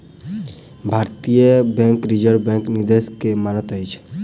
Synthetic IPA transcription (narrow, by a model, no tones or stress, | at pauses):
bʱaɾt̪ijəbɛ̃ŋkɾid͡ʒəɾbɛ̃ŋknid̪eskemanɔt̪ɦɔjt͡ʃʰ